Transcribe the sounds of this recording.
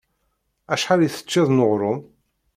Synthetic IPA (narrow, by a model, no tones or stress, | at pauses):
æʃħaɾiθə̥t͡ʃːæðˤnʊʁɾˤʊm